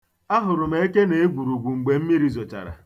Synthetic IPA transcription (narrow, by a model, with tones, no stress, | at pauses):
a˦ɦʊ˨ɾʊ˨m̩e˦e˦ke˦ne˨e˦ɡʷu˨ɾu˨ɡʷu˨ŋ͡m̩˨ɡ͡be˨m̩˦mi˦ɾi˨zɔ˨t͡ʃa̰˨ɾa̰˨